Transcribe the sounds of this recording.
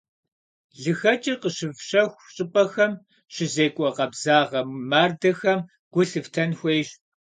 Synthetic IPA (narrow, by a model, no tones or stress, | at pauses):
ɮɨxɐt͡ʃʼɐqəɕɨvɕɐxʷɕʼɪpʼɐxɐm | ɕɪzeːkʷʼɔqɐbzaːʁɐmmaːrdɐxɐm | ɡ̥ʷʊɬɨftʰɐnxʷejɕ